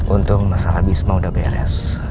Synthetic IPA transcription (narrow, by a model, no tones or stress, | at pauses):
unt̪ʊk̚masaɾabismaudabɛɾɛ̰s